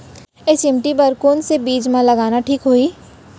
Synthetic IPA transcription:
ɪsɪmʈibɐɾkoːnsebiːd͡ʒmãlɐɡaːnaʈʰiːkɦoːiː

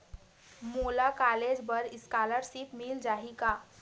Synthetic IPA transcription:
molakaled͡ʑbəɾɪskaləɾsipmild͡ʒaɦika

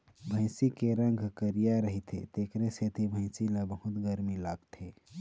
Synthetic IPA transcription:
bʱə̃ɪ̃sikeɾə̃ŋɡʱkəɾijaɾəɦit̪ʰḛt̪ekɾeset̪ʰibʱə̃ɪ̃silabəɦut̪ɡəɾmilaɡt̪ʰe

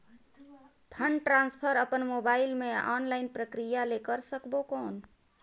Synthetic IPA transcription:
pʰəɳɖʈɾãnspʰəɾəpənmobailmeɔ̰nlaɪnpɾəkɾijalekəɾsəkbokɔːn

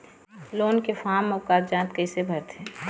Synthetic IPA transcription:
loːnkefaːmɔːkaːɾd͡ʒãːt̪kəɪsebʱɐɾt̪ɛ̃

